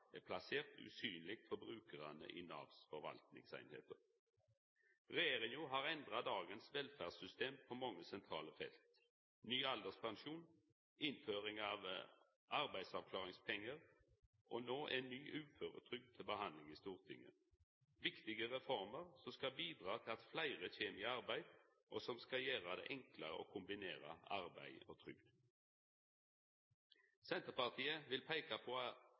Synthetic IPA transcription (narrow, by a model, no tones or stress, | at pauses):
ɛpʰlaseːʁt̪ʰʉ̰ːsyːnlɪk̚t̪fɔɾbʁʉːkəʁɑnə̰ʔɪ̰nɑ̰ːʋsfɔɾʋɑ̰lt̪nɪ̰ŋsæ̰ɪnhḛːt̪əʁ | ʁɛjeːʁɪŋʊɦɑʁɛnd̪ʁɑd̪ɑːɡənsʋɛlfæʁsʏst̪eːmpʰɔmɔŋːəsɛnt̪ʰʁɑːləfɛ̰lt̪ | nyːɑld̪əspʰɑnʃuːn | ɪnføːʁɪŋɑʋ | ʔɑʁbæɪsɑʋkʰlɑːʁɪŋspʰɛŋːəʁ | ʔonoːʔɛnːyːʔʉːføːʁə̰t̪ʰʁʏɡ̚t̪ʰɪlbəhɑnlɪŋiːst̪uːʁt̪ʰɪ̰ŋːə̰ | ʋɪkt̪ɪɡəʁɛfɔʁməʁsɔmskɑbiːd̪ʁɑːt̪ʰɪlɑt̪flæɪʁəçeːmɪɑʁbæɪd̪ | ʔosɔmskɑjeːʁad̪ɛ̰ːʔɛŋkləʁə̰ʔo̰ːkʰʊmbɪneːʁə̰ɑʁbæ̰ɪo̰t̪ʰʁʏ̰ɡd̪ | sɛnt̪əʁpɑʁt̪ʰiːəʋɪlpʰæɪkapʰɔː